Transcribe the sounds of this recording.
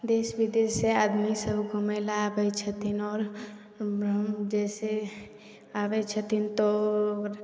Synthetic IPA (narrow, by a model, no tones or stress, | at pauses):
d̪eːsbid̪esead̪misəbʱɡomelaːbɛt͡ʃʰət̪inɔːɾ | d͡ʒɛse | abɛt͡ʃʰət̪ʰint̪o